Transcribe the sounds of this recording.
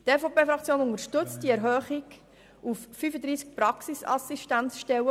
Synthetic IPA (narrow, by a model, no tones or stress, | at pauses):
t̪ɛfopeːfɾɑkt͡sjoːnʊŋəɾʃtɵt͡st̚d̥iɛɾɦœːχik | ufːyfəd̪ɾiːsk̚pɾɑksisɑ̰siʃtænsʃtɛwə